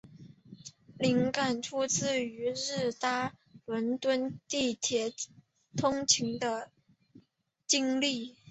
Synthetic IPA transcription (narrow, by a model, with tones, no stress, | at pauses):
li˧˥ŋka˨˩nʈ͡ʂʰu˥t͡sɹ̩˥˩y˧˥ɻ̩˥˩t̪a˥ | lwə˧˥nt̪wə˥nt̪i˥˩t̪ʰjɛ˧˥ | t̪ʰʊ˥ŋt͡ɕʰi˧˥ŋd̪ə˧ | t͡ɕi˥ŋli˥˩